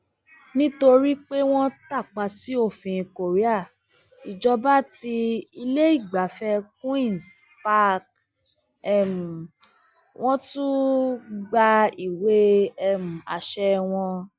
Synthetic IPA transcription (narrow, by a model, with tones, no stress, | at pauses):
nĩ˦to˧ɾi˦k͡pe˦w̃ɔ̃˦ta˦˨k͡pa˧si˦o˦˨fĩ˨˧˨ko˨ɾi˦a˦˨ | i˨d͡ʒɔ˧ba˦ti˧i˧le˦i˦˨ɡ͡ba˨fɛ˧˦kwĩ˦˨s | pa˦k | ɛ˦˨m̩˨ | w̃ɔ̃˦tũ˦ | ɡ͡ba˧i˨we˦ɛ˦m̩˨a̰˨ʃɛ˧w̃ɔ̃˧